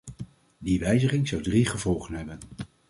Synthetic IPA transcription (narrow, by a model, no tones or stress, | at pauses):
diʋɛjzəχɪŋzɑwdriχəvɔlˠχənɦɛbən